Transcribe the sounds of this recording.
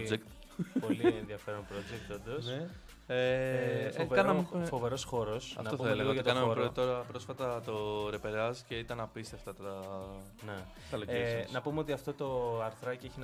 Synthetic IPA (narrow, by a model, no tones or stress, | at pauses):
iekt̪ | po̞lienðiɐfe̞ɾonpɾod͡ʒek̚t̪od̪ose | e | ovekɐɾɐmfoveɾo̞sxo̞ɾo̞sɐ̰fntɐouɐeleɣɐt̪ɐnɐmmeɾot̪o̞ɾɐpɾo̞sfɐt̪ɐt̪o̞ɾe̞peɾɐzi̥ce̞it̪ɐnɐpist̪eft̪ɐt̪ɐ | ne̞ | t̪ɐlosnɐpumeo̞t̪iɐft̪o̞t̪o̞ɐɾθɾɐcieçin